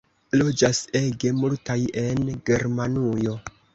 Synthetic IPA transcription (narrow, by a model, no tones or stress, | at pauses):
lo̞d͡ʒase̞ɡe̞multaje̞nɡe̞ɾmanujo̞